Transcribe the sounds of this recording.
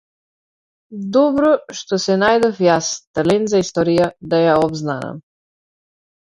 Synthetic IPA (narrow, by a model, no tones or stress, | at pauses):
d̪ɔbɾɔʃt̪ɔsɛnajd̪ɔfjast̪alɛnzaist̪ɔɾijad̪ajaɔbznana̰m